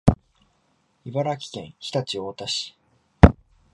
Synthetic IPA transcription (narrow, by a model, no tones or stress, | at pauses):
ibaɾakʲi̥kẽ̞ɰ̃çi̥t̪at͡ɕio̞ːt̪aɕi̥